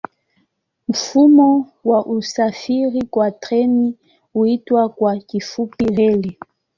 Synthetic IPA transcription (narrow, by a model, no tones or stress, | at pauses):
m̩fumɔwaʔusafiɾikwatɾɛni | uitwakwakifupiɾɛli